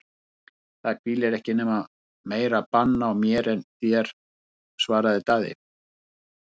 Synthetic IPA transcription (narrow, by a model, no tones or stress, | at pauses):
θaðkʰviːlɛɾɛhcɪnɛːma | meːjɾapanːawmjɛːɾɛnθjɛɾ̥ | svaːɾaðɪt̪aːðɪ̰